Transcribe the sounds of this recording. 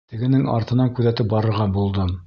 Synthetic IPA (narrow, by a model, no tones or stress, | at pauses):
t̪ɘ̆ɡɘ̆nɘŋɑ̰ɾt̪ɤ̆nɑŋkʉðæt̪ɘp̚bɑɾɤ̆ɾʁɑbulˠd̪ɤm